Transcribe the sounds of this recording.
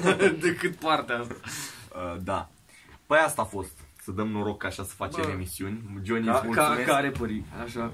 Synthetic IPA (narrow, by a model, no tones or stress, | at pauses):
d̪ekɨt̪̚part̪eaast̪ḁəd̪a | pəjast̪aːfo̞st̪səd̪əmnoɾo̞ɡkːaːʃasə̥fat͡ʃe̞me̞misiunʲd͡ʒo̞niamulkamekaɾepəɾiaʃa